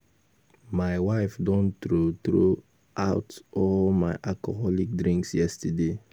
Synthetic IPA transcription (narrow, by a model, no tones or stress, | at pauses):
maɪwaɪfdɔ̃ntɾotɾo | aʊtɔlmaɪʔakɔɦɔlik̚dɾĩŋksjɛstəde